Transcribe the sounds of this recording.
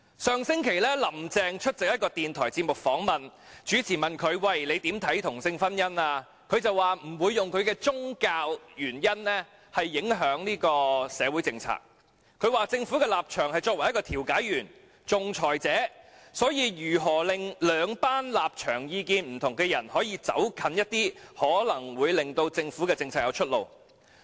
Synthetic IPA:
sœː˨˧ŋsɪ˥ŋkʰe˨˩jlɛː˥lɐ˨˩mt͡sɛː˨˧ŋt͡ʃʰɵ˥t̚t͡sɪ˨k̚jɐ˥t̚kɔː˧t̪iː˨nt̪ʰɔː˨˩jt͡siː˧p̚mʊ˨k̚fɔː˨˥ŋmɐ˨n | t͡ʃyː˨˥t͡sʰiː˨˩mɐ˨nkʰɵ˨˧ɥwɐ˨jle˨˧jt̪iː˨˥mt̪ʰɐ˨˥jt̪ʰʊ˨˩ŋsɪ˧ŋfɐ˥njɐ˥naː˧ | kʰɵ˨˧ɥt͡sɐ˨wːaː˨m̩˨˩wuː˨˧jːʊ˨ŋkʰɵ˨˧ɥkɛː˧t͡sʊ˥ŋkaː˧wjyː˨˩njɐ˥nlɛː˥ | hɐ˨jːɪ˨˥ŋɦœː˨˥ŋniː˥kɔː˧sɛː˨˧wuː˨˥jt͡sɪ˧ŋt͡sʰa̰ː˨˩k̚ | kʰɵ˨˧ɥwaː˨t͡sɪ˧ŋfuː˨˥kɛː˧laː˨˩p̚t͡ʃʰœː˨˩ŋhɐ˨jt͡sɔː˧kwɐ˨˩jɐ˥kɔː˧t̪ʰi˨˩wkaː˨˥jɥyː˨˩n | t͡sʊ˨ŋt͡ʃʰɔː˨˩jt͡sɛː˨˥sɔː˨˥jiː˧jyː˨˩ɦɔː˨˩lɪ˨ŋlœː˨˧ŋpaː˥nlaː˨p̚t͡ʃʰœː˨˩ŋjiː˧kiː˧nm̩˨˩t̪ʰʊ˨˩ŋɡɛː˧jɐ˨˩nhɔː˨˥jiː˧t͡sɐ̰˨˥wkʰɐ˨˧njɐ˥t̚t̪iː˥hɔː˨˥lɐ˨˩ŋwuː˨˧jlɪ˨ŋt̪o˧wt͡sɪ˧ŋfu˨˥kɛː˧t͡sɪ˧ŋt͡sʰaː˨˩jɐ̰˨˧wt͡ʃʰɵ˥t̚lo˨w

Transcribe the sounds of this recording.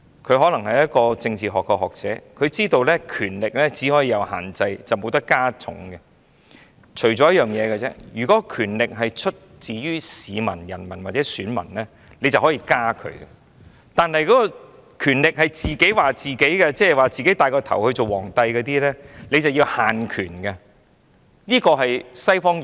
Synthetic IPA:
kʰɵ˨˧ɥɦɔ˨˥lɐ˨˩ŋhɐ˨jjɐ˥t̚kɔː˧t͡sɪ˧ŋt͡siː˨ɦɔː˨kːɔ˧ɦɔː˨k̚t͡sɛː˨˥kʰɵ˨˧ɥt͡siː˥t̪o˧wlɛː˥kʰyː˨˩nlɪ˨k̚lɛː˥t͡siː˨˥hɔː˨˥jiː˧jɐ˨˧wɦa̰ː˨˩nt͡sɐ˧jt͡sɐ˨˩wmo˨˧wt̪ɐ˥kːaː˥t͡sʰʊ̰˨˥ŋɡɛ˧ | t͡ʃʰɵ˨˩ɥt͡ʃɔː˨˦jɐ˥tjœː˨ŋjɛː˨˧kɛ˧t͡sɛ̰ː˥jyː˨˩kɔː˨˦kʰyː˨˩nlɪ˨k̚ɦɐ˨jt͡ʃʰɵ˥t̚t͡siː˨jyː˥siː˨˧mɐ̰˨˩njɐ̰˨˩nmɐ˨˩nwaː˨t͡sɛː˨˥syː˨˥nmɐ̰˨˩nlɛː˥ | le˨˧jt͡sɐ˨whɔː˨˥jiː˧kaː˥kʰɵ̰˨˧˥ɡɛ˧ | t̪aː˨nɦɐ˨jkɔː˨˦˥kɔ˧ | kʰyː˨˩nlɪ˨k̚hɐ˨˩jt͡siː˨ke˨˥jwaː˨t͡siː˨ke˨˥jkɛ˧t͡sɛː˥ɛ˨˩waː˨t͡siː˨ke˨˥jt̪aː˨jkɔː˧t̪ʰɐ̰˨˩whɵ˧ɥt͡so˨wɔː˨˩ŋt̪ɐ˧jkɔː˧t̪iː˥lɛː˥le˨˧jt͡sɐ˨wjiː˧whaː˨˩nkʰyː˨˩nɡɛ˧ | niː˥kɔː˧ɦɐ˨jsɐ˥jfɔː˥ŋ

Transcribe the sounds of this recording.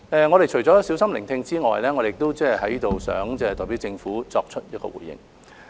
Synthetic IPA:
ɛː˨˧ŋɔː˨˧ɾe˨jt͡ʃʰɵ˨˩jt͡sɔː˨˥si˨˥wsɐ˥mlɪ˨˩ŋt̪ʰɪ˧ŋt͡siː˥ŋɔ̰ː˨jlɛː˥ŋɔː˨˧de˨ɪ˨k̚t̪o˥wt͡sɛː˥˨ɦɐ˨˥jiː˥t̪o˨wsœ̰ː˨˧˥ŋt͡sɛː˥˧t̪ɔː˨jpi˨˥wt͡sɪ˧ŋfuː˨˥t͡sɔː˧k̚t͡ʃʰɵ˥t̚jɐ˥t̚kɔ̰˧wṵː˨˩jːɪ̰˨˩ŋ

